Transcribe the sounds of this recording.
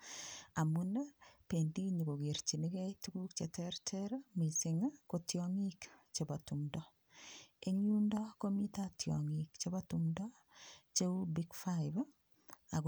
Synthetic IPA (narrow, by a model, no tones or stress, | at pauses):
amunapendiɲikoɡeɾt͡ʃinikɛtukuk̚t͡ʃetɛɾtʰɛɾamisɪŋakotjɔŋikt͡ʃebatuŋdɔ | eŋjundɔkomitatjɔ̰ŋikt͡ʃebatuŋdɔ | t͡ʃeubiɡfaɪb | ak